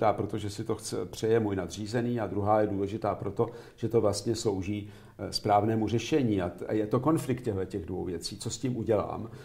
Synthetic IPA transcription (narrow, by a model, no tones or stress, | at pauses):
t̪aːpɾo̞t̪oʒɛsɪt̪o̞xt͡sɛ̰pr̝̥ɛjɛmuːjnad̪r̝iːzɛniːad̪ɾuɦaːjɛduːlɛʒɪt̪aːpɾo̞t̪o̞ | ʒ̥ɛt̪o̞vlast̪ɲɛslo̞wʒiː | spɾaːvnɛːmur̝ɛʃɛɲiːaa̰jɛt̪o̞ko̞nflɪkt̪cɛɦlɛcɛɣdvo̞̰wvjɛt͡siːt͡sosciːmʔuɟɛla̰ːm